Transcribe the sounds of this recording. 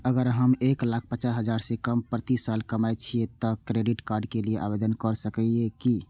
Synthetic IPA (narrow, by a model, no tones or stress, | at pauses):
əɡəɾɦəmeklak̚ʰpət͡ʃaɦəd͡ʒaɾsẽkəmpɾət̪isalkəmajt͡ʃʰiet̪ɔkɾeɖiʈkaɾɖkelieʔa̰bed̪ənkəɾsəkɛeki